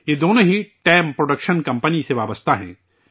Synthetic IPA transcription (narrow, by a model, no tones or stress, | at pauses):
jed̪oːnõɦiʈɛːmpɾoɖəkʃənkɐ̃mpəniseʋaːbəst̪ʰaɦɛ̰̃ː